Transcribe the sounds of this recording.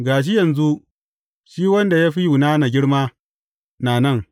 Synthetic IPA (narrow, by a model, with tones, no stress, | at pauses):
ɡaː˨ʃ̬i˦jɐ˨nzu˦ʔ | ʃiː˦wɐ˦nda˨jaː˦ɸi˦ju˨naː˦na˨ɡʲɪ˦ɽmaː˦ | naː˨nɐ˦˨ŋ